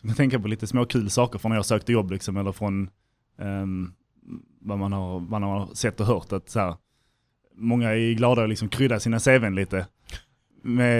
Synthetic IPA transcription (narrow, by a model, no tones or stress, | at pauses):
kʰant̪ʰɛŋkapɔliːt̪əsmoːkʰʉ̟ːlsɑːkəɾfɾɔnːaɾjɑhsøːk̚t̪əjɔbːlɪksɔmɛlːəɾfɾɔn | vamanhaɾmanamsɛt̪ːɔɦœːɾt̪at̪shæːɾ | mɔŋːaæɡlɑːd̪aɔlɪksɔmkʰɾʏd̪ːasiːnaseːvɛnliːt̪ə | mɛ